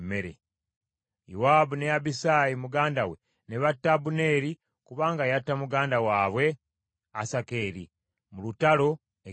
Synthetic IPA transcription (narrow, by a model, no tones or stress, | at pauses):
me̞ɾḛ | jṵwaːbuneabisajimuɡaːndawe̞ | ne̞βatːabune̞ːɾi | kuβaːŋɡajatːamuɡaːndawaːβwe̞ | asake̞ːɾḭ | mulutalo̞ | e